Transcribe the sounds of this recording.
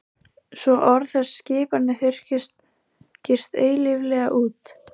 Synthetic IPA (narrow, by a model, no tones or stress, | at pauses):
svɔʔɔɾθɛsːcɪːpanɪθɪr̥cɪst̪ | cɪr̥st̪eːjlɪvlɛːɣaʔuːt̪